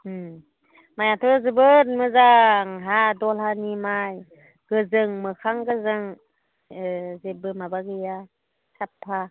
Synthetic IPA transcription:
majatʰɯzɯbɯnmɯzaŋɦadɔlhanimaj | ɡ̥ɯzɯŋmɯkʰaŋɡɯzɯŋ | zebɯmabaɡɯja | sʰapʰːa

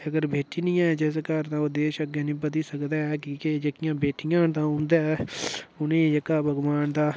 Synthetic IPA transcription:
əɡəɾbeːʈiːnĩːɛ̃ːd͡ʒɛːs̬kəɾt̪ãːod̪eːʃəɡenĩːpət̪iːsəkd̪aːɛːkiːked͡ʒekɪjãːbeːʈɪjãːnt̪ãːʊ̃nd̪aːɛːʊnẽːd͡ʒekaːbʱəɡʋaːnd̪aː

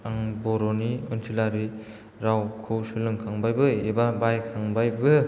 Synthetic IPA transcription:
aŋbɔɾoniɯnsʰilaɾi | ɾawkʰusɯlɯŋkʰaŋbajbɯjebabajkʰaŋbajbɯ

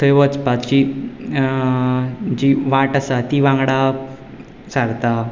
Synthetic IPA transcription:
t̪ʰəjʋət͡spat̪t͡ɕi | d͡ʑiʋãʈasat̪iʋãŋɡɽa | saɡt̪a

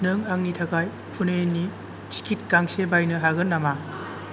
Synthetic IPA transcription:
nɯŋaŋnitʰakaj | pʰunenːi | t͡ʃi̥kʰit̚kaŋsebajnɯɦaɡɯnːama

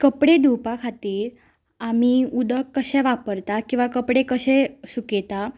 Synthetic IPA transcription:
kəpɽed̪upakʰat̪iːɾ | am̤iud̪əkːəɕɛ̃ʋapəɾt̪akĩw̃ʋakəpɽekəɕɛ̃suket̪a

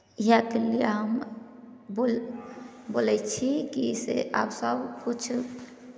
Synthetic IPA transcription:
iɦakelieɦəm | bol | bolɛt͡ʃʰikisḛʔa̰bsəbkut͡ʃʰ

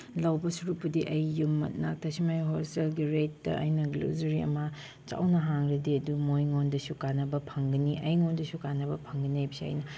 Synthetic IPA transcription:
lɐwbɐsuɾupːɐdiʔɐjːumːɐ̰t̚na̰k̚tʰɐsimajɦoselɡiɾetdɐ̰ʔɐjnɐɡlo̰zɐɾiɐ̰mɐ | t͡ʃa̰wnɐɦaŋɾɐdiɐdumojŋondɐsukanːɐbɐpʰɐŋɡɐniʔɐjŋondɐsukanːɐbɐpʰɐŋɡɐnajbisiɐ̰jnɐ

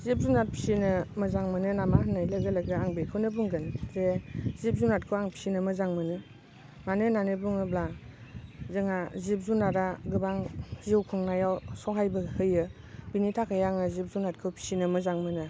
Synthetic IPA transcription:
zip̚zunat̚pʰi̥sinɯmɯzaŋmɯnɯnamahɯnajlɯɡɯlɯɡɯaŋbekʰɯwnɯbuŋɡɯnzezip̚zunat̚kʰɯwaŋpʰi̥sinɯmɯzaŋmɯnɯ | manɯnanɯbuŋɯbla | zɯŋazip̚zunaɾaɡɯbaŋziwkʰɔŋnajawsɔɦajbɯhɯjɯ | binitʰakʰajaŋɯzip̚zunat̚kʰɯpʰi̥sinɯmɯzaŋmɯnɯ

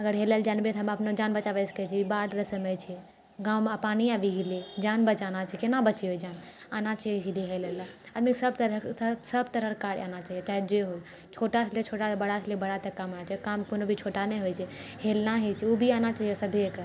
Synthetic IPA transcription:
əɡəɾɦeləld͡ʒaːnbet̪ɦəməpnod͡ʒanbət͡ʃaʋɛsə̥kɛt͡ʃʰibaɽɾəsəmət͡ʃʰi | ɡãːwmapaniaʋiɡelied͡ʒanbət͡ʃanat͡ʃʰikenabət͡ʃɛɦojd͡ʒan | anat͡ʃəid͡ʒilieɦeləlaad̪miksəbt̪əɾsəbt̪əɾəɾkaɽanat͡ʃaɦijet͡ʃaːɦɛd͡ʒeɦo | t͡ʃʰoʈat͡ʃʰlet͡ʃʰoʈabəɽat͡ʃʰlebəɽat̪əkamanat͡ʃʰakamkonobʱit͡ʃʰoʈanɛɦojt͡ʃʰɛhelnaɦit͡ʃʰiubʱianat͡ʃaɦiɦosəbʱiekə

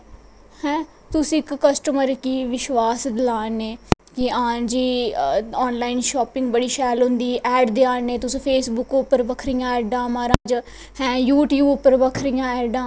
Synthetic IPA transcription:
hɛ̃ː | t̪ʊsĩːkːəsʈəməɾkiːʋɪʃʋaːsd̪ɪlaːneːkɪãːd͡ʒiː | ɔːnlaːɪnʃoːpɪ̃ŋɡ̚bəɽiːʃɛːlɦʊ̃nd̪iːʔɛːɖd̪eaːneːt̪ʊsĩːpʰeːsbʊkʊpːəɾbəkʰɾijãːɛːɖãːmaːɾãːd͡ʒ | hɛ̃ːjuːʈjuːbʊpːəɾbəkʰɾɪjãːɛːɖãː

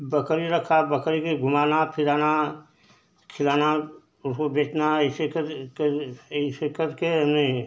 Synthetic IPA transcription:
bəkɾiɾəkʰabəkɾikeɡʱʊmaːnapʰɪɾaːna | kʰɪlaːna | ʊskobeːt͡ʃnasekəkisekəɾkeɦmne

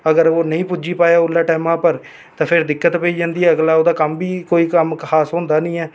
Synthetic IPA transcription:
əɡəɾoːnəĩːpʊd͡ʒiːpaːjaːʊlːaːʈɛːmãːpəɾ | t̪ãːpʰɪɾd̪ɪkːət̪peiːd͡ʒãːnd̪iːɛːəɡlaːoːd̪aːkəmbiːkoːiːkəmkxaːsɦʊ̃ːnd̪aːnĩːɛː

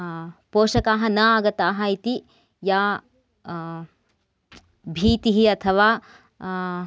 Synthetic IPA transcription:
poːʃɐkaːɦɐnɐaɡɐt̪aːɦɐit̪i | jaː | bʱiːt̪iɦiɐt̪ʰɐʋaː

